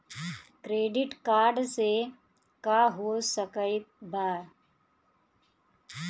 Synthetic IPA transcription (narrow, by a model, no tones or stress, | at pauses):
kɾeːɖɪʈkaːɾɖse | kaɦosəkəit̪baː